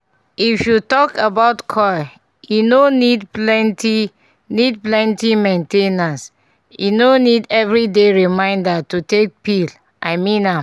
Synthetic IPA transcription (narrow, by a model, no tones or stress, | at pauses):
ifjutɔkabaʊtkʰɔj | junonidplɛ̃nti | nid̚plɛ̃ntimẽntenãs | jṵnonidɛvɹideɹimãɪ̃ndatutek̚pil | ʔaɪmĩna